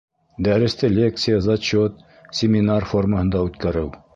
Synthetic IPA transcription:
d̪æɾɘ̆st̪ɘlʲekt̪sɨjəzɐt͡ɕot̪̚ | sʲɪmʲɪnarforməhɤ̆nd̪ɑʉt̪kæɾɘw

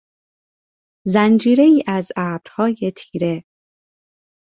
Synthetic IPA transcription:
zænd͡ʒiːɾe̞iːʔæzæɾ̚d̪̥hɒːje̞t̪ʰiːɾe

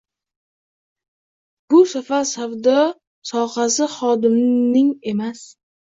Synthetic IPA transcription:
bʊsafaɾsawd̪ɒ | sɒhasɪχɒd̪ɪmnɪŋe̞mas

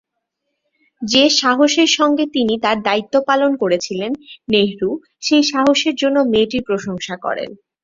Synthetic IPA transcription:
d͡ʑeʃaɦoʃeɾʃɔŋɡet̪init̪aɾd̪ait̪ːopalonkoɾet͡ɕʰilenːeɦɾu | ʃejʃaɦoʃeɾd͡ʑonːomeʈipɾoʃoŋʃakɔ̰ɾḛn

